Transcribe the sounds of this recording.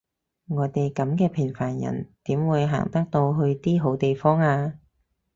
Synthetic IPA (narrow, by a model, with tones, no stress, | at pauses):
ŋɔː˨˧t̪e˨jkɐ˨˥mkɛː˧pʰɪ˨˩ŋfaː˨˩njɐ̰˨˩nt̪iː˨˥mwuː˨˧jɦa̰ː˨˩ŋt̪ɐ˥k̚t̪o˧wɦɵ˧ɥt̪iː˥ɦo˨˥wt̪e˨jfɔː˥ŋaː˧